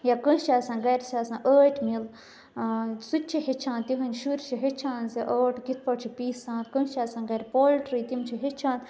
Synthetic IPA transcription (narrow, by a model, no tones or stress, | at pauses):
jakə̃t͡ʃʰaːsãːɡɐɾʲsʲaːsãːʔəːʈʰmil | sut̪̚ʲt͡ʃʰiɦet͡ʃʰãːnt̪iɦɐnʲʃuɾʲt͡ʃʰiɦet͡ʃʰãːnziʔoːʈɡit̪̚ʰpɐʈt͡ʃʰipiːsãːnt̪kənt͡ʃʰaːsãːɡɐɾʲpoːlʲʈɾit̪imt͡ʃʰiɦet͡ʃʰãːnt̪